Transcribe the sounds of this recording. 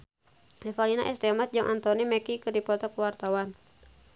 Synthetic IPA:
lɛfalina̰ʔɛst̪ɛmat̚d͡ʒɨŋʔa̰nt̪ɔnimɛkikɨrdipɔt̪ɔkuwart̪awan

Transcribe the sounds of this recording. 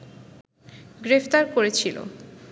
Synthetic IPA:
ɡɾefʰt̪aɾkoɾet͡ɕʰilo̰

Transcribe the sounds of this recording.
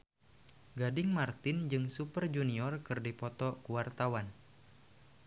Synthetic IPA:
ɡadɪŋmart̪ɪnd͡ʒɨŋsupərd͡ʒuniɔrkɨrdipɔt̪ɔkuwart̪awan

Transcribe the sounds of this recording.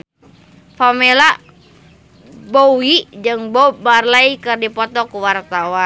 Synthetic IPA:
famila | bowid͡ʒɨŋbobarlaikɨrdipɔt̪ɔkuwart̪awa

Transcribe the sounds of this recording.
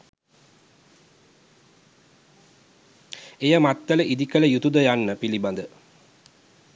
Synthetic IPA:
ejəmat̪ːələʔid̪ikələjut̪ud̪əjanːəpiliband̪ə

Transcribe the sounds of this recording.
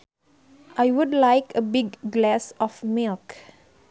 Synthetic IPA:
ʔajwudlaɪkʰəbiɡːlɛsɔfmilk

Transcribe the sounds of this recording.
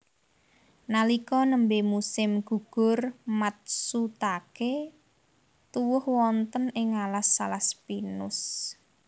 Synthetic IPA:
nalikɔnəmbemusɪmɡ̥ṳɡ̥ʊ̤rmat̪̚sut̪ake | t̪uwʊhwɔnt̪ənɪŋalasːa̰laspinʊs

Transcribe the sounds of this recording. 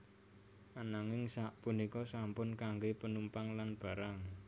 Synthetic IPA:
anaŋɪŋsaʔpunikɔsampʊnkaŋɡepənumpaŋlanb̥ä̤ɾaŋ

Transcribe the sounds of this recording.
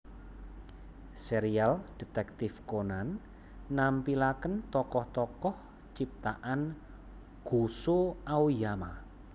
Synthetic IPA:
seɾiald̥i̤t̪ɛk̚t̪ɪfkonanː | ampilakənt̪ɔkɔht̪ɔkɔh | t͡ʃip̚t̪aʔan | ɡ̥osoawjama

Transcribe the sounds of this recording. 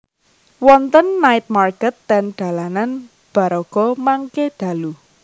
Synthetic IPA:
wɔnt̪ənːaɪt̪̚markɛt̪ːɛnɖ̪̥a̤lanan | b̥a̤ɾɔɡ̥ɔmaŋkeɖ̪̥ä̤lu

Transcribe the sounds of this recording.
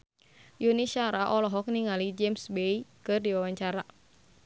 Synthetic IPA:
junisaɾaʔɔlɔɦɔk̚niŋalid͡ʒɛmsbejkɨrdiwawaɲt͡ʃaɾa

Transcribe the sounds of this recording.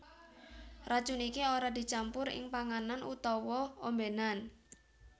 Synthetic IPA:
rḁt͡ʃunikioɾad̪̥i̤t͡ʃampʊɾɪ̰ŋpaŋananṵt̪ɔwɔombenan

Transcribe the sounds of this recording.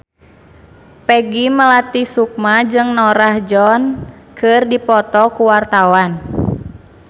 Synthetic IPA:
pɛɡiməlat̪isuk̚mad͡ʒɨŋnɔɾahd͡ʒɔnkɨrdipɔt̪ɔkuwart̪awan

